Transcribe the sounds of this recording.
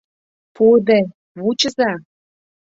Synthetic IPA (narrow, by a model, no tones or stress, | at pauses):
pud̪e | βut͡ɕə̆zɑ